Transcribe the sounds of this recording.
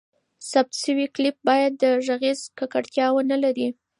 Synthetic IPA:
sab̚t̪ʃəwiklɪp̚bɑjad̪ːəʒaɣizkakaɽt̪jɑwənalaɾi

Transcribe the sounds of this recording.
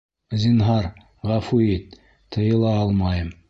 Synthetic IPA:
zʲinɦɑɾ | ʁɑfuit̪ | t̪ʰːə̆jɤ̆lˠɑɑlˠmɑjəm

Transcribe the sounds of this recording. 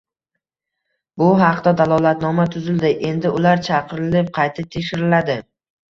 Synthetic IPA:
bʊɦɑqd̪ad̪alˠɒlˠat̪nɒmat̪ʰʊzɪld̪ɪʔe̞nd̪ɪʔʊlaɾt͡ʃʰɑqɨɾɪlɪp̚qʰɑjt̪ʰɪp̚t̪ʰe̞kʲʃɪɾɪlad̪ɪ

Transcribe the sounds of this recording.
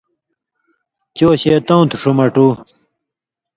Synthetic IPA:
t͡ɕoːɕeːt̪õwt̪ʰuʂumɐʈuː

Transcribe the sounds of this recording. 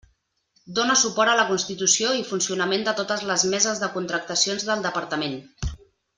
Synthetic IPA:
d̪onəsupɔɾt̪ələkunst̪it̪usioifunsiunəmẽnd̪ət̪ot̪əzləzmɛzəzðəkunt̪ɾək̚t̪əsionzðəlˠd̪əpəɾt̪əmen

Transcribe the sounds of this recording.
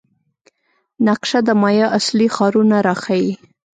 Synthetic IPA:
naqʃad̪əmɑjɑʔaslixɑɾunaɾaxawi

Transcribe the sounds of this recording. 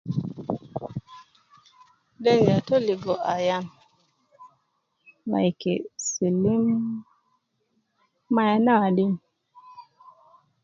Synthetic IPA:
denatoliɡɔʔajan | la̰jkḛsilim | ajanaaɗin

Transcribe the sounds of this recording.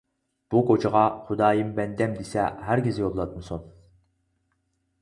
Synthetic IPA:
b̥ukot͡ʃʰəʁɑχud̪ɑːjɨmbɛnd̪ɛmd̪esɛ̰ɦæɾɡʲizɪjolˠlˠɑt̪̚mɨsun

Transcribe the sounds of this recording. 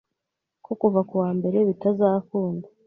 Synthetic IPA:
kokuvakuwaːmbe̞ɾe̞βitazaːkuːnda

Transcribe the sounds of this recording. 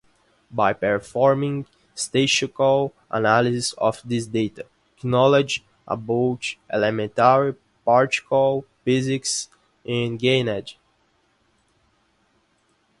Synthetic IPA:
bajpɛɹfɔɹmĩŋ | st̪eʃkal | ʔa̰nalizɪsɔ̰fd̪isd̪etə | ɛknɔled͡ʒ | ʔa̰bot͡ʃɛlɛmɛ̃ntaɹi | paɹti̥kəlˠfɪzɪks | ɪ̃nɡẽnɛd͡ʒ

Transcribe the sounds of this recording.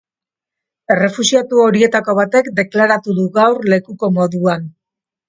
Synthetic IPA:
e̞re̞fusiat̪uo̞ɾie̞t̪ako̞β̞at̪e̞kd̪e̞klaɾat̪uðuɣawrle̞kuko̞mo̞ðuan

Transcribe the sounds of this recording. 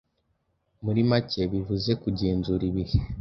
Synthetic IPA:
muɾimaceβivuze̞kuɟeːnzuɾiβihe

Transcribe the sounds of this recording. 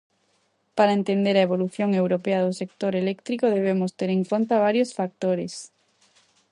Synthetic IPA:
paɾaent̪end̪eɾaeβoluθjoŋewɾopeaðʊsek̚t̪oɾelɛkt̪ɾikoðeβ̞emost̪eɾeŋkont̪aβ̞aɾjosfak̚t̪oɾes

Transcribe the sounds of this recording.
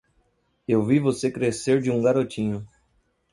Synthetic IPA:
ewvivosekɾeseɾd͡ʒɪũɡaɾot͡ʃĩɲʊ

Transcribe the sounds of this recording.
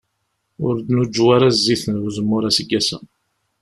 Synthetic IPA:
ʊɾd̪nud͡ʒːwaɾazːiθənwuzəmːʊɾasəɡːæsæ̰

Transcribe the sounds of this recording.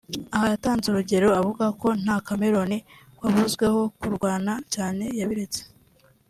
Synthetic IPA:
ahajataːnzuɾuɟe̞ɾo̞avuɡako̞n̥hakame̞ɾo̞ni | waβuzɡwe̞ho̞kuɾɡwaːnacaːne̞jaβiɾe̞t͡se̥

